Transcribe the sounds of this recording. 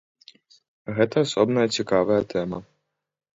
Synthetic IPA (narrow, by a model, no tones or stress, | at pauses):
ɣɛt̪ɐːsɔbnɐjɐt͡sʲikɑʋɐjɐt̪ɛmɐ